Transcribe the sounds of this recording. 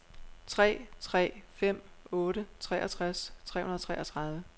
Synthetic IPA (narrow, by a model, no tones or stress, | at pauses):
t͡sʰʁɛ̰ːt͡sʰʁɛ̰ːfem̰ɔːɾət͡sʰʁɛ̰ːʔɐt͡sʰʁast͡sʰʁɛ̰ːhunɐt͡sʰʁɛ̰ːʔɐt͡sʰʁɑ̈ðˠʋə